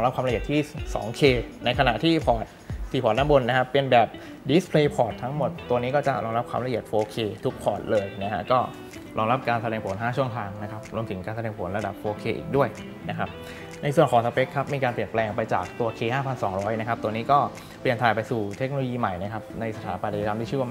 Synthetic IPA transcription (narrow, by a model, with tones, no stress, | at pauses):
ɔ˧ŋɾa˦˥p̚kʰaː˧mɾi˨˩ət̪ʰiː˥˩sɔ̰ː˩˦ŋkʰeː˧na˧jkʰa˧na˨˩ʔt̪ʰiː˥˩pʰɔː˨˩t̪̚t̪ʰːiː˨˩pʰɔː˨˩t̚naː˧˥mbo˧nːa˦˥kʰa˦˥pːe˧nbɛː˨˩p̚ | di˦˥spʰleː˧pʰɔː˨˩t̪ʰːa˦˥ŋmo˨˩t̪ːu˧ɐniː˦˥kɔː˥˩t͡ɕa̰˨˩ʔɾɔː˧ŋɾa˦˥p̚kʰaː˧ɾla˧ʔi˨˩ət̪̚foː˧kʰeː˧t̪ʰu˦˥k̚pʰɔː˨˩t̪̚lɤː˧jna˦˥kʰa̰˦˥kɔː˥˩ | ɾɔː˧ŋɾa˦˥p̚kaː˧nsa˧ɾɛː˧˩ŋpʰo˩˦nɦaː˥˩t͡ɕʰu˥˩əŋt̪ʰaː˧ŋna˦˥kʰa˦˥p̚ɾu˧mt̪ʰɯ˩˦ŋkaː˧nsa˧ɛː˧˩ŋpʰo˩˦nɾa˧da˨˩p̚foː˧kʰeː˧ʔḭː˨˩k̚du˥˩əj | na˦˥kʰa˦˥p̚ | na˧jsu˨˩ənkɔː˩˦sa˧˥pe˦˥kʰːa˦˥p̚miː˧kaː˧npli˨˩ənplɛː˧ŋpa˧jt͡ɕaː˨˩k̚t̪u˧ɐkʰeː˧haː˥˩pʰa˧nsɔː˩˦ŋɾɔː˦˥jna˦˥kʰa˦˥p̚t̪u˧əniː˦˥kɔː˥˩ | pli˨˩ənt̪ʰaː˨˩pa˧jsuː˨˩t̪ʰe˦˥k̚no˧lo˧jiː˧ma˨˩jna˦˥kʰa˦˥p̚na˧jsa˧t̪ʰaː˩˦pa˧na˧˩˨ta˧mt̪ʰiː˥˩ɯː˥˩wa˧˦